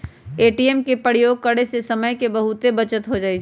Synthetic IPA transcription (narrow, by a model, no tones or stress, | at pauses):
eːʈiemkepəɽjoːɡ̚kɐɽesesɐməjkebɐɦʊt̪ebɐt͡ʃət̪ɦod͡ʒaːi